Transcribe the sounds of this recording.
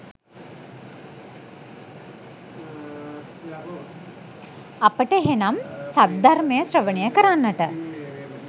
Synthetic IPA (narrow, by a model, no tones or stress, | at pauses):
apəʈəeɦenamsat̪̚d̪arməjəsrəʋənijəkəɾanːəʈə